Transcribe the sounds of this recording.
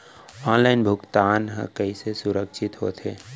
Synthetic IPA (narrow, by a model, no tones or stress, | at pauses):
ɔːnlaːɪnbʱʊkt̪aːnɦə̰̃kɐisesʊɾəkʃɪt̪ɦo̰ːt̪ʰeː